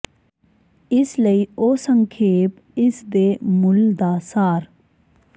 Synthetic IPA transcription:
ɪsləioːsəŋkʰeːp | ɪsd̪emʊld̪aːsaːɾ

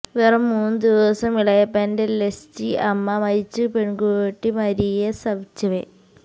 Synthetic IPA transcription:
ʋerɐmːuːnːɨd̪iʋɐsɐmiɭɐjɐpendelest͡ɕiʔɐmːɐmɐjit͡ɕːɨpeɳɡoʈːimɐɾijɐsɐbt͡ɕːɐʋe

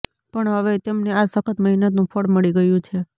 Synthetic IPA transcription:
pəɳɦəʋet̪emneasəkʰət̪məɦinət̪nũpʰəɽməɭiɡəjũt͡ʃʰe

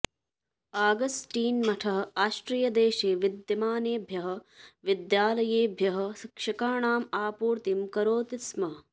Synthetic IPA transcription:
aːɡɐsʈiːnmɐʈʰɐɦɐ̆aːsʈɾijɐd̪eːʃeːʋid̪jɐmaːneːbʱjɐɦɐ̆ʋid̪jaːlɐjeːbʱjɐɦɐ̆kʂɐkaːɳaːmaːpuːɾt̪imkɐɾoːt̪ismɐɦɐ

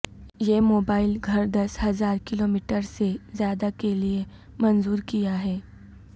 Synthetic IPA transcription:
jemoːbaːɪlɡʱɐɾd̪ɐsɦɐzaːɾkɪloːmiʈəɾsezjaːd̪akelie | mənzuːɾkijaɦɛː

